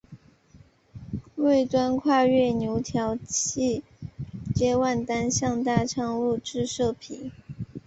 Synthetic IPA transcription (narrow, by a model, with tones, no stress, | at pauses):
we˥˩ɪt̪wa˥nkʰwa˥˧ɥɛ˥˩njo˧˥ʊt̪ʰjɑ˧˥ʊt͡ɕi˥˩ | t͡ɕjɛ˥wa˥˩nt̪a˥nɕjɑ˥˧ŋt̪a˥˧ʈ͡ʂʰɑ˥˧ŋu˥˧ʈ͡ʂɻ̩˥˧ʂɤ˥˩pʰi˨˩˦